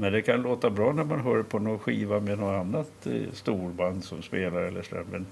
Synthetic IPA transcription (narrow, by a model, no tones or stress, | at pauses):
mɛnd̪ɛkʰanloːt̪abɾɑːnæɾmanɦœːɾpʰɔnɔnɧiːvamɛnɔanːat̪st̪uːɾband̪sɔmspeːlaɾɛlːəʂlɛ̰mbɛn